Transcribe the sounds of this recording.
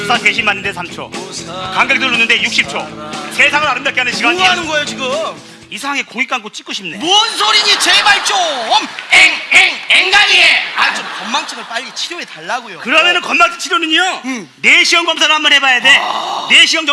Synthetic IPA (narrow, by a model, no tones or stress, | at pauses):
s͈ʰate̞ɕʰimmanːɯndesʰamt͡ɕʰo̰kaŋɡʌɭdɯɭːunːɯnde̞juk̚ɕ͈ʰip̚t͡ɕʰosʰe̞sʰaŋɯɾaɾɯmdakeɦanɯnɕʰiɡaɲianɯnɡʌejot͡ɕiɡɯ | isʰaaŋe̞koŋik͈ank͈ot͡ɕ͈ik͈ɯɕʰimnemuʌnsʰoɾiɲit͡ɕemaɭt͡ɕ͈omeŋeŋeŋɡaɲieat͡ɕomkʌnmaŋt͡ɕʰɯŋɯɭp͈aʎːit͡ɕʰiɾjoetaɭːaɡojokɯɾʌmjʌnɯnkʌnmaŋt͡ɕʰɯ̥t͡ɕʰiɾjonɯɲo | ne̞ɕʰiʌmɡʌmsʰaɾohambanhe̞bajade̞ne̞ɕʰiʌmt͡ɕʌ